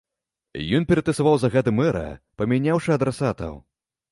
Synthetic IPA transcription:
jɔnpʲɛɾɐt̪ɐsavawzaɣad̪ɨmɛɾɐ̰pɐmʲanʲawʂɨɐd̪ɾasat̪ɐ̰w

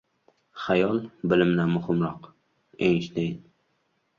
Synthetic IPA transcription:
χajɒlˠbɪlɪmnamʊhɪmɾɒq | eŋʃd̪en

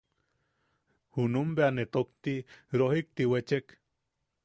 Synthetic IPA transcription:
hunumbeanet̪okt̪iɾohik̚t̪iwet͡ʃek

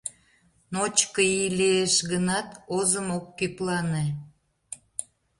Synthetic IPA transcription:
not͡ɕkəileeʃɣənɑt̪ozəmokːyplɑne

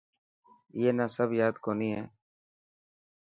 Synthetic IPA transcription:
jeːnaːsəbjaːd̪koːniːɦɛː

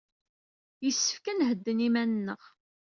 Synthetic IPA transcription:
jəsːə̥fkænɦəd̪ːənimænənːəʁ

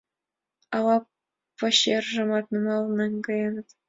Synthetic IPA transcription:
ɑlɑ | pɑ̆ɕerʐɤ̆mɑt̪nɤmɑlnɑnʲkɑjɑnɤt̪

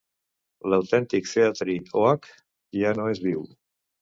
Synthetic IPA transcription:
ləwt̪ɛnt̪ikseat̪ɾioak | janoezβiw

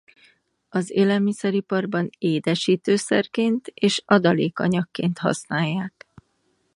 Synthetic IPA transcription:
ɒzeːlɛlmisɛɾipɒrbɒneːd̪ɛʃiːt̪øːsɛ̰rkeːnt̪eːʃɒd̪ɒleːkɒ̰ɲɒkːeːnt̪hɒ̰snaːjːaːk

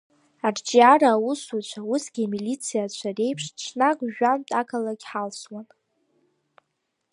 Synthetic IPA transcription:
ard͡ʒʼiaɾaːwusut͡ʃʷʰawusɡʲimilit͡sʰijat͡ɕʷʰare̞jpʰʂt͡ʃʰnakʷʼʒᶣamtʼakʰalaɡʲħalswan

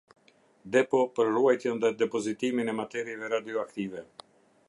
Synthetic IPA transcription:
d̪ɛpɔpəɾruajt̪jɛnd̪ad̪ɛpɔzit̪iminɛmat̪ɛɾjɛvɛɾad̪iɔakt̪ivɛ

